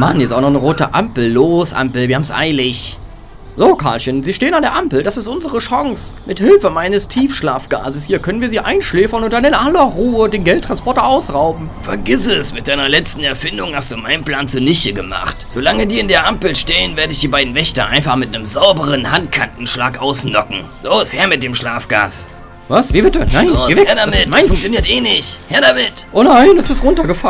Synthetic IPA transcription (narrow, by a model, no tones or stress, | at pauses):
manɛstaʊxnɔχnəʁoːtə̰ʔa̰mpl̩loːsʔa̰mpl̩viːɐhabmsʔa̰ɪlɪç | zoːkʰaːlçənziːʃteːənandeːɐʔampl̩dasɪstʔʊnzəʁəʃɔŋsmʔɪthɪlfəmaɪnəstʰiːfʃlaːfɡ̥a̰ːzəshiːɐkʰœnənviːɐziːʔaɪnʃleːfɐnʊnt̚d̥anɪnʔalɐʁuːədeːnɡɛltːʁ̥anspɔɐtɐʔaʊsʁaʊbm̩fɛɐɡɪsəsmɪt̚d̥aɪnɐlɛt͡stn̩ɛɐfɪndʊŋhastd̥uːmaɪnənpl̥aːnt͡suːɐnɪçəɡəma̰χtz̥oːlaŋədiːɪndeːɐʔampl̩ʃteːənveːɐdəɪçd̥iːbaɪdn̩vɛçtɐʔa̰ɪnfaχmɪt̚anəmzaʊbəʁənhant̚kʰantn̩ʃlaːkʔaʊsnɔkŋ̩zoːshɛːɐmɪt̚d̥eːmʃlaːfɡ̥a̰ːs | vasviːbɪtənaɪnːɛhɛɐdamɪaɪfʊŋkt͡sjoniːɐtʔeːnɪçthɛɐdamɪtʔoːnaɪnɛsɪstʁʊntɐɡəfa